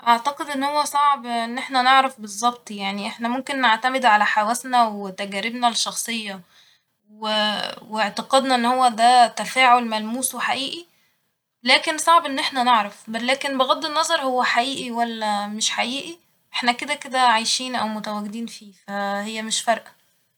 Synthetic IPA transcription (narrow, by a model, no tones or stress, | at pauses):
ʔɑʕt̪ɑqed̪ʔenːhowːæsˤɑʕbʔenːʔeħnæneʕɾæfbezˤːɑbt̪ˤjaʕniʔeħnæmomkenːeʕt̪æmed̪ʕalæħawæsnæwet̪æɡæːɾebnælʃːɑxsˤejːɑ | weweʕt̪ɑqɑd̪nɑʔenːhowːæd̪æt̪æfæːʕolmælmuːsweħaʔiːʔi | læːkensˤɑʕbʔenːʔeħnæneʕɾæfblæːkenbeɣɑd̪ˤːenːɑzˤɑɾˤhowːæħaʔiːʔiwælːæmeʃħaʔiːʔi | ʔeħnæked̪æked̪æʕajʃiːnʔæwmot̪æwæɡed̪iːnfiːfæhejːæmeʃfɑɾˤʔæ